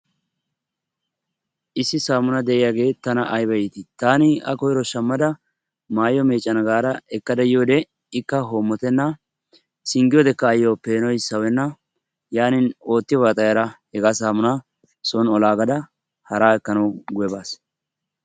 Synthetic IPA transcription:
ʔɪsːɪsaːmʊnɐd̪ɛʔɪjaːɡe̞ːt̪ːɐnɐʔɐjbɐjɪt̪ɪt̪aːnɪɐ̰kɔjɾɔʃɐmːɐd̪ɐ | maːjɔme̞ːt͡ʃʼːɐnɐɡaːɾɐɛkːɐd̪ɐjɪjoːd̪ɛ | ɪkːɐɦoːmːɔt̪ɛnːɐ | sɪŋɡɪjɔd̪ɛkːɐːjːoːpe̞ːnɔjsɐwɛnːɐ | jaːnɪno̞ːt̪ːɪjɔbɐt̪ʼɐjɐɾɐhɛɡaːsaːmʊnɐ | sɔnɔlaːɡɐd̪ɐ | hɐɾaːɛkːɐnɐwɡʊjɛbaːs

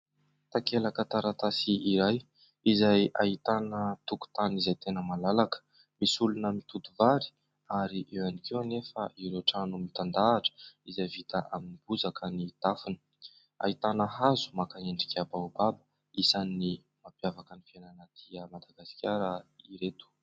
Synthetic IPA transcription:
t̪akelakət̪aɾat̪asiiɾaj | izajʔa̰it̪anət̪uku̥t̪anizajt̪enəmalalakə̥ | misulunəmit̪ut̪uvaɾi̥ | aɾiʔewanikewnefəʔiɾoʈ͡ʂanumit̪and̪aːʈ͡ʂə̥izajvit̪aʔaminib̥uzakʰənid̪̥afinə̥ | a̰it̪anəɦazu̥makaeɳɖ͡ʐi̥kʲabaubabə̥ | isanːi | mapjavakənifiananad̪̥iəmad̪aɡasi̥kʲaɾəiɾet̪u̥

